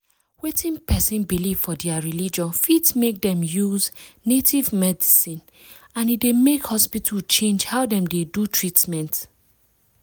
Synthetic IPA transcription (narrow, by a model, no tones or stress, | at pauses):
wetĩnpɛsĩnbiliv̥fɔdɛaɹilid͡ʒɔ̃nfidsmek̚dɛ̃mjuznetʰivmɛdisĩn | ãnidemekhɔspitʰalt͡ʃẽnd͡ʒhaʊdɛ̃mdedutʰɹitmɛ̃nt